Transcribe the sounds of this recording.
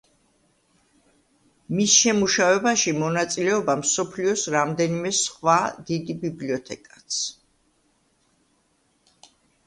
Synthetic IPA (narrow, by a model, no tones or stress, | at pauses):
misʃɛmuʃavɛbaʃimɔnat̪sʼilɛɔbamsɔpʰliɔsɾamd̪ɛnimɛsχwad̪id̪ibibliɔt̪ʰɛkʼḁt̪sʰ